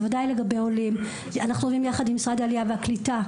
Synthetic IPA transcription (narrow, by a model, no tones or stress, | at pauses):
vadajleɡabe̞jo̞lim | anaχnuavimjaχadimisʁad̪ealijaveaklita